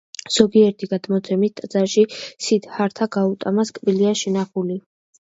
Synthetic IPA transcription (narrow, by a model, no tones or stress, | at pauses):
z̥ɔɡiɛɾt̪ʰiɡad̪̥mɔt̪sʰɛmit̪ʼad̪z̥aɾʃisid̪haɾt̪ʰaɡaut̪ʼamaskʼbiliaʃɛnaχuli